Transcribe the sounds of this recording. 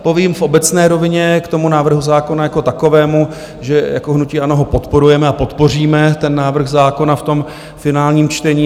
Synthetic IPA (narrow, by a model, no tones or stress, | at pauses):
po̞viːmfobɛt͡snɛːɾo̞vɪɲɛkt̪o̞munaːvr̩ɦuzaːko̞najako̞t̪ako̞vɛːmu | ʒɛja̰koɦnuciːano̞ɦo̞po̞t̪po̞ɾujɛmɛapo̞t̪po̞r̝iːmɛt̪ɛnːaːvr̩ɣzaːko̞naft̪o̞m | fɪnaːlɲiːmt͡ʃt̪ɛɲiː